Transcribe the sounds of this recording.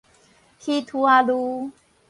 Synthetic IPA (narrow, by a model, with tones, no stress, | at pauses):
hi˦t̪ʰu˧a˧lu˧